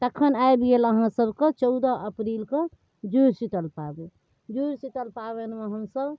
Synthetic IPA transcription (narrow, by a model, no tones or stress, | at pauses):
t̪əkʰənaebieləɦãsəbket͡ʃəʊd̪əəpɾilke | d͡ʒuɾsiʈəlpabu | d͡ʒuɾsiʈəlpabenmeɦəmsəb